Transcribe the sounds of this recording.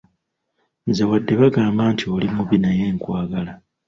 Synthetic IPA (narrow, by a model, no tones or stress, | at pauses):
nze̞wadːe̞βaɡaːmbaːntʰio̞limuβinaje̞ːŋkwaːɡala